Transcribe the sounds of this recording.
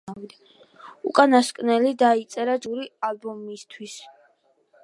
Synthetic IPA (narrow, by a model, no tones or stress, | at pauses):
vi | ṵkʼanaskʼnɛlid̪ait̪sʼɛɾad͡ʒuɾialbɔmist̪ʰwis